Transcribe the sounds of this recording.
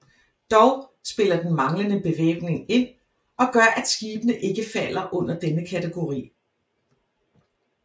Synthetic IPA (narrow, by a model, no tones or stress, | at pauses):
d̥ɒʊsb̥e̝lɐd̥en̩mɑ̈ŋlənəb̥e̝ʋḛːɡ̥ne̝ŋe̝n̰ | ɒ̽ɡ̥ɶɐʔæd̥sɡ̥iːb̥ənəʔe̝ɡ̥əfæl̰ɐʔɔ̽n̰ɐd̥enəkʰæt͡sʰeɡ̥o̝ʁḭː